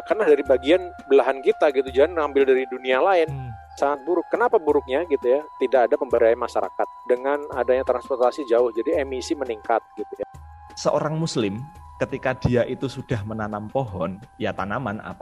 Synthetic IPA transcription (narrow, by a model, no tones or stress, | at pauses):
kanlahdaɾibaɡianbəlaɦankit̪aɡit̪ud͡ʒaɦanŋambɪldaɾidunialaɪn | saŋat̪̚buɾʊkːənapabuɾʊk̚ɲaɡit̪ujat̪idakadapəmbəɾajmaʃaɾa̰kat̪̚dəŋanadaɲat̪ɾanspɔrt̪asid͡ʒaʊhd͡ʒadiɛmisiməniŋkat̪̚ɡ̥it̪uja | səʔoɾaŋmuslɪm | kət̪ikad̥iaʔit̪usud̥ahmənanampoɦɔnjat̪anamana̰pa